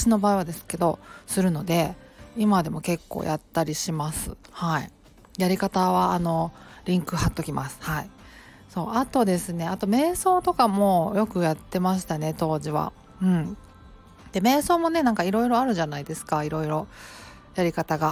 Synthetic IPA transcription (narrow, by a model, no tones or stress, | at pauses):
ɕino̞baːiβad̪e̞sɨ̥ke̞d̪o̞̰sɨɾɯ̟no̞d̪e̞ | imad̪e̞mo̞ke̞kːo̰ːjʔat̪ːaɾʲiɕimasɨ̰hai | jaɾʲikat̪aβaːno̞ɾʲĩŋkɯ̟hat̪ːo̞kʲimasɨ̥hai | so̞ːat̪o̞d̪e̞sɨne̞at̪o̞me̞ːso̞ːt̪o̞kamo̞ːjo̞kɯ̟jat̪ːe̞maɕ̬i̥t̪ane̞t̪o̞ːʑiβa̰ | ɯ̟̃ɴ | d̪̥e̞me̞ːso̞ːmo̞ne̞nãŋkaiɾo̞iɾo̞aɾɯ̟ʑanaid̪e̞sɨ̥kaiɾo̞iɾo̞ | jaɾʲikat̪aɡa